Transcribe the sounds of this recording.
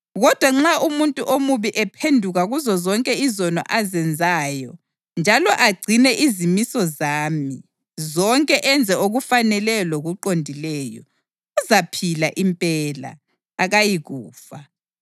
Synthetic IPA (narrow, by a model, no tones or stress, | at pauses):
ɣɔd̥ʱwaŋ͡ǁaʔumuntʼuʔomuβiʔɛpʰendʱuɣaɣuzɔzɔŋkʼɛizɔnɔ̰ʔazɛnd͡zʱaːjɔ | nd͡ʒʱalɔʔaɡ͡ǀʱinɛʔizimisɔzaːmi | zɔŋkʼɛʔɛnd͡zʱɛoɣufanɛlɛloɣuǃondʱilɛːjɔ̰ | uzapʰilaʔimpʼɛla̰ː | ɣajiɣuːfa